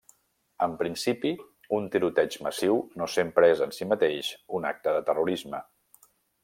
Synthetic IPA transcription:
əmpɾinsipi | unt̪iɾut̪ɛd͡ʒməsiwnosempɾəezənsimət̪eʃuna̰k̚t̪əðət̪əruɾizmə

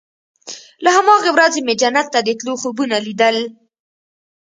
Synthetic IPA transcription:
lahamɑɣewɾazemed͡ʒanːat̪ːad̪ət̪loxobunalid̪əl

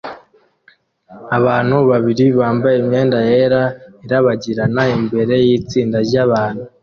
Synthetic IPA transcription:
aβaːn̥huβaβiɾiβaːmbajemɲe̞ːndaje̞ɾaeɾaβaɟiɾanaimbe̞ɾe̞jiːt͡siːndaɾɟaβaːn̥hu

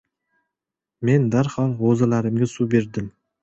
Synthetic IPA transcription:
me̞nd̪aɾhɒlˠʁozalaɾɪmɡʲasube̞ɾd̪ɪm

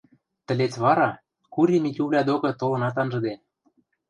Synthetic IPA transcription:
t̪ə̆let͡sβɑɾɑ | kuɾʲemitʲuβlʲɑd̪okɤ̆t̪olɤ̆nɑt̪ɑnʒɤ̆d̪e

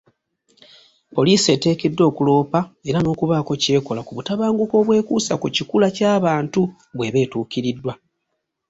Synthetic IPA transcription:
po̞liːsie̞ːte̞ːke̞dːo̞ːkulo̞ːpae̞ɾano̞ːkuβaːko̞ce̞ːkolakuβutaβaːŋɡuko̞ːβwe̞ːkuːsakucikulacaːβaːntu | βwe̞βe̞ːtuːkiɾidːwa

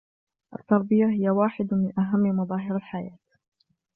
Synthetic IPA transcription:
ʔa̰t̪ːɑɾˤbɪjaɦɪjawaːħɪd̪mɪnʔaɦamːmɑðˤɑːɦɪɾalħajaːt̪

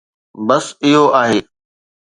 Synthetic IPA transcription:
bɐsɪɦoʔaːɦeː

